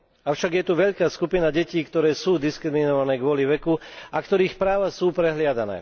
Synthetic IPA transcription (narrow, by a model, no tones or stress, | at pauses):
aʊʃaɡjɛt̪uʋɛʎkaːskupinaɟɛciːkt̪ɔɾɛːsuːd̪iskɾiminɔʋanɛːɡʊɔliʋɛkuakt̪ɔɾiːxpɾaːʋasuːpɾɛɦlɪad̪anɛ̰ː